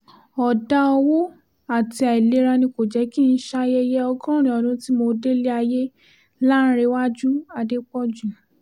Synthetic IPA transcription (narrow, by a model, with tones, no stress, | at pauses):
ɔ˨da˧˦ɔ˧wo˦ | a˦˨ti˧a˨i˨le˨˦ɾa˧nĩ˧ko˨d͡ʒɛ˨˦ki˦n̩˦ʃa˧jɛ˦jɛ˦ɔ˧ɡɔ̃˦ɾ̃ĩ˨ɔ˨dũ˧˦ti˦mo˧de˦le˦a˧je˦ | la˦n̩˦ɾe˨˦wa˦d͡ʒu˦a˧de˦k͡pɔ˦d͡ʒu˦˨